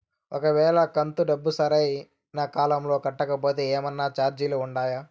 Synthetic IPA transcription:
ɔkɐʋɛːɭɐkɐnt̪uɖɐbːusɐɾɐj | naːkaːlɐmlo̞ːkɐʈːɐkɐpo̞ːt̪eːeːmɐnːaːt͡ʃaːɾd͡ʒiluːɳɖaːjaː

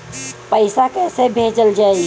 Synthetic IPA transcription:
pəɪsakɛːsebʱed͡ʒəld͡ʒaːi

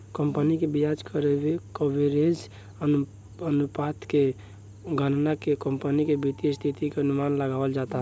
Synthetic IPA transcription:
kəmpənikebijad͡ʒkəɾebekobʱeɾens | ən | ənupat̪ke | ɡənnakekəmpənikebit̪ijəst̪ʰit̪ikeənumanləɡabəld͡ʒat̪aɦ

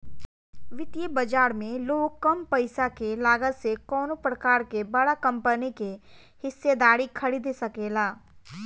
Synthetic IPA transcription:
ʋɪt̪jəbɐd͡ʒaːɾmẽloːɡ̚kɐmpɐɪsakelaːɡət̪sekɔːnopɾəkaːɾkebɐɽakɐ̃mpənike | hɪsːed̪aːɾikʰɐɽid̪sɐkeːlaː

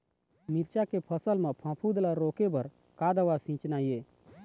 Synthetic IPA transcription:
miɾt͡ʃakepʰəsəlmẽpʰãpʰud̪laɾoːkebəɾ | kad̪əʋasĩːt͡ʃnaːjeː

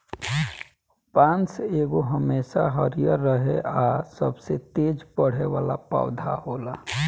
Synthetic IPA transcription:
pãːnt͡ʃeːɡoɦəmeːsaɦəɾjəɾːəɦeasəbset̪eːd͡ʒpəɽ̤eʋaːlapa̰ːʊd̪ʱaɦoːla

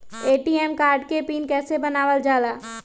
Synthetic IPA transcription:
eːʈiːɛːmkaːɾɖkepiːnkɛːsebɐnaːʋəld͡ʒaːlaː

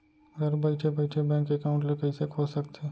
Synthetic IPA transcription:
ɡəɾbɐɪʈʰepɐɪʈʰebɛ̃ːŋkːekaʊ̃ɳʈlekɐisekʰoːsɐk̚t̪eː

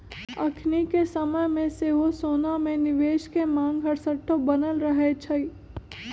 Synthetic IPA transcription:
ɐ̰kʰnikesɐməjmẽseɦosoːnamẽnɪʋeːʃkemãːŋɡɦɐɽsəʈʰːobɐnəlɾəɦet͡ʃʰəi

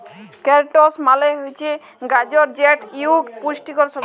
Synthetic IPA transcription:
keɾʈosmaleɦojt͡ɕʰe | ɡad͡ʑɔɾd͡ʑeʈiukpuʃʈikɔɾsɔb

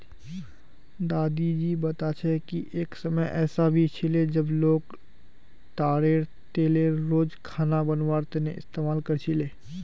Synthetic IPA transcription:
d̪aːd̪id͡ʒiːbɐt̪at͡ʃʰɛkiʔeːksəməjʔɛːsabʱit͡ʃʰɪled͡ʒəbloːɡ | t̪aːɾeɾ | t̪eːleɾoːd͡ʒkʰaːnabənwaːɾt̪eneɪ̰st̪eːmaːlkəɾt͡ʃʰɪleː

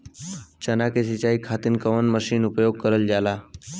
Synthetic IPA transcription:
t͡ɕənakesit͡ɕaikʰat̪iːnkəʋənməɕiːnupjoɡ̚kəɾəld͡ʑala

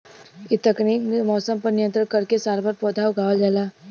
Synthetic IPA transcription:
it̪ɐkniːknmɔːsəmpɐɾnɪjə̃nt̪ɾəkɐɾkesaːɾbəɾpɔːd̪ʱaːoɡʱaːwd͡ʒaːlaː

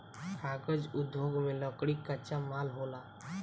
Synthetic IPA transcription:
kʰaːkəd͡ʒʊd̪joɡmẽləkɽikːat͡ʃamaːlɦola

